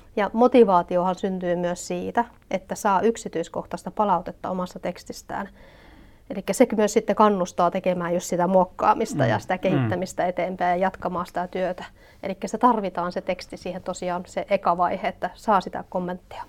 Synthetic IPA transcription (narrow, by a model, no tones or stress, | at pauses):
jɑmot̪iʋɑːt̪iohɑnsynt̪yːmyøssiːt̪æ | ʔet̪ːæsɑːyksit̪yisko̰ht̪ɑst̪ɑpɑlɑut̪et̪ːɑ̰omɑst̪ɑt̪ekst̪ist̪æ̰ːn | elikːæsekmyøssit̪ːekɑnːust̪ɑːt̪ekemæːjust̪sit̪æmuokːɑ̰ːmist̪ɑ̰jɑ̰si̥t̪ækehit̪ːæmist̪ɑet̪eːmpæːjɑjɑt̪kɑmɑːsi̥t̪æt̪yøt̪æ | ḛlikːæsi̥t̪æt̪ɑrʋit̪ɑːnset̪ekst̪isiːhent̪osiɑːnseʔekɑʋɑiheet̪ːæsɑːsit̪æ̰komːent̪ːi̥ɑ̥